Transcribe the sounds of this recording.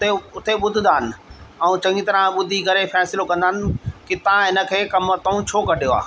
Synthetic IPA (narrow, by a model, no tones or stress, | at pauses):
eʊt̪ʰeɓʊd̪ʱɪ̃̆nd̪aːnɪ̆ɛũt͡ɕɐ̃ŋɡit̪ɐɾãɓʊd̪ʱiɡɐɾefɛːsɪlokɐ̃nd̪aːnɪ̆kit̪ɐãɦɪnə̆kʰeːkɐmət̪ɐũt͡ɕʰoːkɐɖʱijoa̰ː